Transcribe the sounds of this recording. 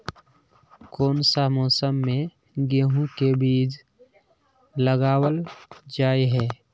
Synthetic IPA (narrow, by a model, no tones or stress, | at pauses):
koːnsamɔːsəmːẽ | ɡeːɦũkebiːd͡ʒ | ləɡaːwəld͡ʒaːiɦɛː